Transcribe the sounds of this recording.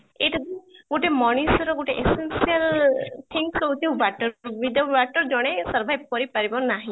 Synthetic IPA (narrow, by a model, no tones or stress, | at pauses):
eʈad̪iɡoʈemɔɽ̃isɔɾɔɡoʈeʔesensiəlt̪ʰiŋksɔɦut̪ʰiɦubaʈɔbid̪aubaʈɔɾd͡ʒɔɽ̃esɔɾbʱajb̚kɔɾipaɾibɔnaɦĩ